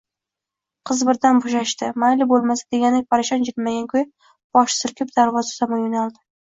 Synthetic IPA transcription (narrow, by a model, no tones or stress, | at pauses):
qʰɨzbɪɾd̪anboʃaʃt̪ɪmajlɪbolˠmasḁd̪eɡʲanɪpʰaɾaʃɒnd͡ʒɪkmaɡʲankʰʲɵj | b̥ɒʃsɪɾkʲʰɪp̚d̪̥aɾvɒzḁsamɒnjʊnalˠd̪ɪ